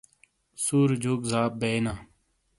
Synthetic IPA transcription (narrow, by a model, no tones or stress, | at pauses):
suːɾd͡ʑʱuːkzaːp̚bena